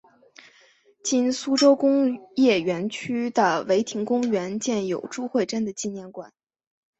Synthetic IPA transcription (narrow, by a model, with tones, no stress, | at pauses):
t͡ɕi˥nsu˥ʈ͡ʂo˥ʊkʊ˥ŋjɛ˥˩ɥɛ˧˥nt͡ɕʰy˥d̪ə˨we˧˥ɪt̪ʰi˧˥ŋkʊ˥ŋɥɛ˧˥nt͡ɕjɛ˥˩njo˨˩ʊʈ͡ʂu˥˧xwe˥˧ɪʈ͡ʂə˥nd̪ə˨t͡ɕi˥˧njɛ˥˩nkwa̰˨˩˦n